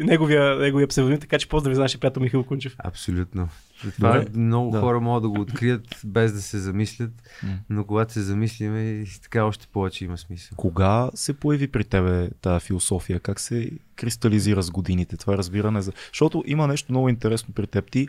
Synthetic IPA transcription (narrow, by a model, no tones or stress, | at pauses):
nɛɡoviənɛɡoviəpsɛvɐnit̪ɐkat͡ʃɛ̥pɔzd̪ɾɐvʲiznaʃəpɾʲijat̪omixilˠkunt͡ʃɛfɐ̰psolʲut̪no | zɐt̪d̪vaɾmnɔɡʊd̪xaɔɾɐmɔɡəd̪d̪ɐɡoːt̪kɾijət̪bɛzd̪ɐsɛzɐmislʲət̪ | nokʊɡat̪o̥sɛzɐmislʲimɛt̪ɐ̥kaɔʃt̪ɛ̥pɔvɛt͡ʃɛimɐsmisəlˠkoɡasɛpojɐvipɾit̪ɛβɛt̪ajəfilˠosɔfijəkaksɛkɾist̪ɐliziɾəzɡod̪init̪ɛt̪ovaɾəzbiɾɐnɛzɐʃt̪ɔt̪oʔimənɛʃt̪omnɔɡʊint̪ɛɾɛsnopɾit̪ɛp̚t̪i